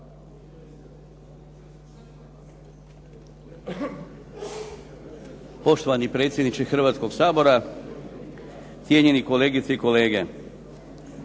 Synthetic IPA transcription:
po̞ʃt̪oʋanipɾet̪sʲjed̪nit͡ʃexr̩ʋaːt̪sko̞ɡsaːbo̞ɾa | t̪sʲje̞ɲe̞niko̞le̞ːɡit̪seiko̞le̞ːɡe

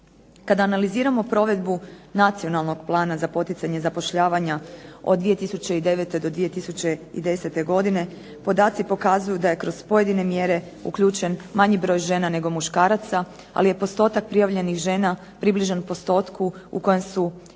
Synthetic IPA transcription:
kad̪aːnaliziːɾamo̞pɾo̞ʋe̞d̪bunat̪sio̞nalˠno̞ɡ̥plˠaːnazapo̞t̪it̪saɲe̞zapo̞ʃʎaːʋaɲaod̪d̪ʋije̞t̪isut͡ɕe̞id̪e̞ʋe̞t̪e̞d̪o̞d̪ʋije̞t̪isut͡ɕe̞ḭd̪e̞se̞t̪e̞ɡo̞d̪ine̞ | po̞d̪aːt̪sipo̞kazujud̪aje̞kɾo̞z̥po̞je̞d̪ine̞mje̞ɾe̞ | ṵkʎuːt͡ʃe̞nmaɲibɾo̞ːjʒe̞ːnane̞ɡo̞muʃkaːɾat̪sa | a̰lije̞po̞st̪o̞ːt̪ak̚pɾijaʋʎe̞nixʒe̞ːna | pɾibliʒanpo̞st̪o̞ːt̪kʰuṵko̞jemsu

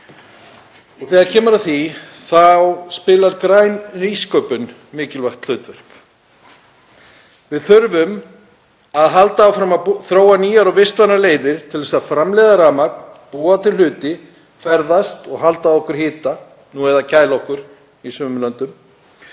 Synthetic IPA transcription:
ɔɣθɛːɣaðcʰɛːmʏɾaθi | θawspɪːlaɾkɾaːjnriskœpʏn | mɪːcɪlvaxt̪l̥ʏːt̪vɛr̥k | vɪðθʏɾvʏm | aðɦalt̪aːwfɾamaθɾoːwaniːjaɾɔvɪst̪vanaɾleːjðɪɾ̥t̪ʰɪlðɛsaðfɾamlɛðaɾaːmakpuːat̪ʰɪlʏːt̪ɪ | fɛɾðast̪ɔɣɦalt̪aːðɔhkʏɾ̥hɪːt̪a | nuɛɾðacaːjlaɔhkʏɾ̥ | isʏmlant̪ʏm

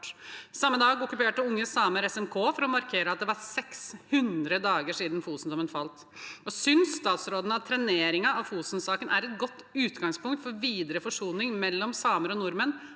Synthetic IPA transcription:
sɑmːəd̪ɑːɡɔkːʉpeːʈəʊŋːəsɑːməɾɛsɛmkʰoːfɔɾɔmɑɾkʰeːɾəɑt̪̚d̪ɛʋɑɾsɛkshʉnd̪ɾəd̪ɑːɡəʂiːd̪nfuːsnd̪ɔmənfɑlt̪ | ɔsʏnsːt̪ɑːt̪sɾoːd̪ən̩ɑʋt̪ʰɾɛneːɾɪŋɑɑʋfuːsn̩sɑːkənʔæ̰ɾɛt̪̚ɡɔt̪ːʉːt̪ɡɑŋspʊŋkt̪fɔɾʋiːd̪əɾəfɔʂuːnɪŋmɛlːɔmsɑːməɾɔnʊɾmən

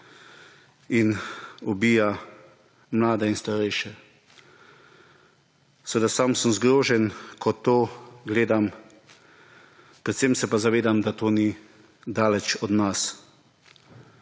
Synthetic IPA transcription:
inɔbiːja | mlaːd̪ɛinst̪aɾɛjʃɛ | sɛʋed̪asamsəmzɡɾoːʒɛnkʰɔt̪oːɡleːd̪am | pɾɛt̪semsɛpazaʋeːd̪amd̪at̪oːni | d̪aːlɛt͡ʃɔd̪nas

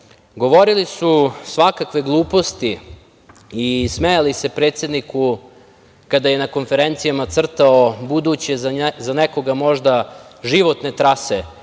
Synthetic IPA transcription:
ɡo̞ʋo̞ɾilisusʋakakʋe̞ɡlˠuːpo̞st̪iː | smejalise̞pɾeːt̪se̞d̪niku | kad̪ajenako̞nfe̞ɾent̪sijamat̪sr̩t̪aobud̪ut͡ɕezzaneko̞ɡamo̞ʒd̪aʒiʋo̞t̪ne̞t̪ɾase

